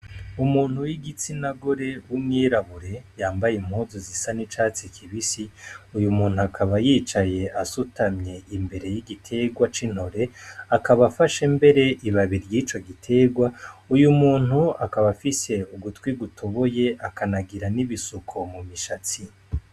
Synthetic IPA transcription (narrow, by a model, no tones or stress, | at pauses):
umuːn̥huwiɡit͡sinaɡo̞ɾe̞wumŋiːɾaβuɾe̞jaːmbajem̥huːzozisanit͡ʃaːt͡sikʰiβisiujumuːn̥huakʰaβajiːt͡ʃaje̞ʔasutʰamɲe̞imbe̞ɾe̞jiɡitʰe̞ɡwat͡ʃin̥ho̞ɾe̞akʰaβafaʃembe̞ɾe̞ʔiβaβiɾjiːt͡ʃo̞ɡitʰe̞ːɡwaujumuːn̥uakaβafise̞uɡutkwiɡutʰo̞βo̞je̞akʰanaɡiɾaniβisukʰo̞mumiʃat͡si